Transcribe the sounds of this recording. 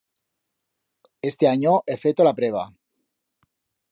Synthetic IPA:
e̞st̪eaɲoʔefet̪olapɾeβ̞a̰

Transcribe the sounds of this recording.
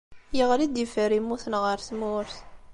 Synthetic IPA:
jəʁlid̪əfəɾimːuθnʁəɾθmuɾθ

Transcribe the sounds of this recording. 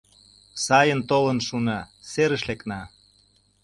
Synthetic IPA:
sɑjənt̪olənʃunɑseɾə̆ʃleknɑ

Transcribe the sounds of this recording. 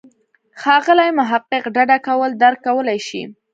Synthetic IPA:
xɑɣəlajmʊɦaqːɪqɖaɖakawəld̪aɾkːawəlajʃḭ

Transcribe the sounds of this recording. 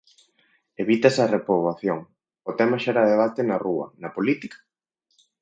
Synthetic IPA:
eβit̪ɐsɐrepɾoβaθjoŋ | ot̪ɛmɐʃaɾaðeβ̞at̪enɐruɐ̰nɐpolit̪ikḁ

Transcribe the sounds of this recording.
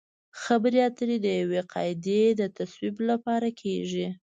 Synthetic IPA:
xabəɾiat̪əɾid̪əjaweqɑjɪd̪ed̪ət̪aswiblapɑɾakʰeʒi

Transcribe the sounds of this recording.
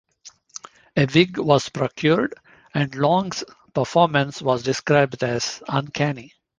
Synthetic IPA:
eʋɪɡʋɔːz̥pɾɔkʰjuːɾɖ | ɛ̃ɳɖlɔ̃ːŋɡs | pəɾfɔːɾmə̃nsʋɔːzɖɪskɾaɪbɖæz̥ə̃nkʰæni

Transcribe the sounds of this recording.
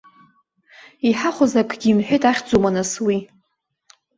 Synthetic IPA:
iħaχʷozakʰʼɡʲiːmħʷᶣejtʼaχʲd͡zumanaswi

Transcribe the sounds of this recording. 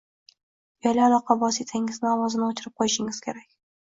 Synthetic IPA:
jɒjlʲaːlˠɒqɑvɒsit̪ʰaɪŋɪznɪɒwɒzɪnɪot͡ʃʰɪɾɪp̚qʰojɪʃɪŋɪz̥kʲʰe̞ɾakʲ

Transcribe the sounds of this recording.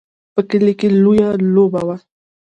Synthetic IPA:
pəkɪlɪkɪlʊjalobawa

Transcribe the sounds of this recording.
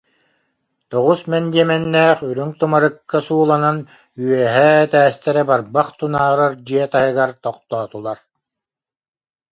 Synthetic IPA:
t̪ɔʁusmɛnd̪iɛmɛnːæːχyɾyŋt̪umaɾɯkːasuːlˠanan | yœɦɛːt̪æːst̪ɛɾɛbaɾbaχt̪unaːɾaɾd͡ʑiɛt̪ajɯɡaɾt̪ɔqt̪ɔːt̪ulˠaɾ

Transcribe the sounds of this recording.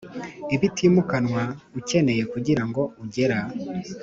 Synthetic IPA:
iβitʰimukanwauce̞ne̞je̞kuɟiɾaŋɡo̞uɟe̞ɾa

